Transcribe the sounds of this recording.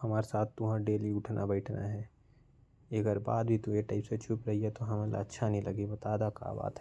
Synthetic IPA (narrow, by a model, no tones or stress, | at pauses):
hɐmaːɾesaːt̪ʰt̪ːʊɦãɖeːliʊʈʰnʔa̰bɛːʈʰna̰ɦɛː | ɐɡəɾbaːd̪bʱit̪ũjeʈaːɪpset͡ʃʰupɾɐɦiɦɛt̪oɦɐmẽla̰ətːʃʰanɦĩlɐɡibɐt̪aːd̪aka̰ːba̰ːt̪ɦɛ